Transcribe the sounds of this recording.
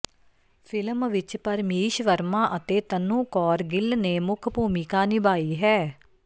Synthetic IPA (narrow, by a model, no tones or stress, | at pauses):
pʰɪlmʋɪt͡ʃpəɾmiːʃʋəɾmãːʔət̪eːt̪ənːũːkɔːɾɡɪlneːmʊkʰbuːmɪkaːnɪbaːiːɦɛː